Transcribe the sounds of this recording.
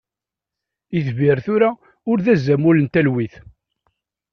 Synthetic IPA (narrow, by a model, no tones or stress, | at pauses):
iθviɾθʊɾa | ʊɾðæzːæmʊlənt̪ælwiθ